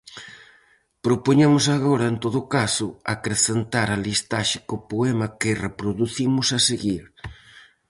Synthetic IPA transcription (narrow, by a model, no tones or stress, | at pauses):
pɾopoɲemʊsaɣoɾɐent̪oðʊkasʊakɾeθent̪aɾalist̪aʃi̥kopoemɐkɪrepɾoðuθimʊsaseɣiɾ